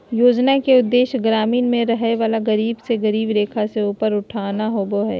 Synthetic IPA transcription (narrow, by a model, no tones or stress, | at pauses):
joːd͡ʒnakeʊd̪ːeːʃɡɾaːmiːnmẽɾɐɦeʋaːlaɡɐɾiːbseɡɐɾiːbɾeːkʰaseuːpəɾʊʈʰaːnaɦoːboɦɛ̰ː